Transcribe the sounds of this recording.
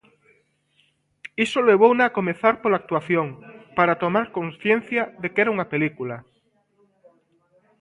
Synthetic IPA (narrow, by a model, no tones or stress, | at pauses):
isoleβ̞ownaːkomeθaɾpolak̚t̪waθjoŋpaɾat̪omaɾkõnsθjen̟θjaðekɛɾauŋapelikula